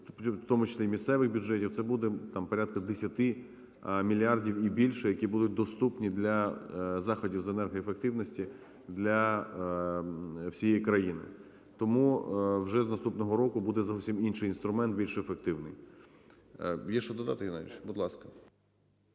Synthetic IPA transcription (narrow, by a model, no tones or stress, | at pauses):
wt̪ɔmʊt͡ʃe̥sʲlʲimʲissɛʋɪxbʲʊd͡ʒɛtʲiwt̪sɛbud̪ɛt̪ɑmpɔɾʲat̪̚kɐd̪esʲɐt̪ɪ | mʲilʲiɑrdʲiwibʲilʲʃɛjɐkʲibud̪ʊt̚ʲd̪ɔst̪upnʲid̪lʲɐzɑxɔdʲiwzenɛrɦɔjefek̚t̪ɪwnɔsʲtʲi | d̪lʲɐ | wsʲijɛjikɾɐjinɪ̰ | t̪ɔmuwʒɛznɐst̪upnɔɦɔɾɔkʊbud̪ɛzɔwsʲiminʃɪjinst̪ɾʊmɛnt̪̚bʲilʲʃɛefek̚t̪ɪwnɪj | jɛʃt͡ʃɔd̪ɔd̪ɑ̰t̪ɪjinaḭʃbʊd̪lˠɑskɐ̥